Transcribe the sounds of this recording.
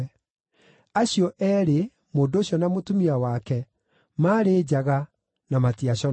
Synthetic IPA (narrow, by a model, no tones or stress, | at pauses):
aɕjɔʔɛːɾe | moːndooɕɔnamotumiawakɛ | maːɾeːd͡ʑaɣa | namatiaɕɔ